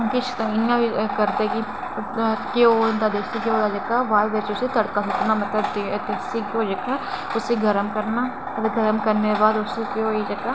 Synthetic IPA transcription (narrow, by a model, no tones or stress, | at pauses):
kɪt͡ʃʰɪnjãbikəɾt̪eki | keoɪnd̪ad̪eːksikeoːd̪ad͡ʒəkːaʋaːʋet͡ʃʊsit̪əɽkaːsəknaːmət̪ləbt̪t̪ɪsikoːd͡ʒɐkaː | ʊseɡəɾəmkəɾnaː | d̪ɡʱəɾəmkəɾnebaːd̪ʊsekoid͡ʒəkːaː